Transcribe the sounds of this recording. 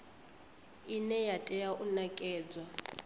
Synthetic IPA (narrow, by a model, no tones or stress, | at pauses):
inɛjatʼɛjaʔunakʼɛːd͡zwa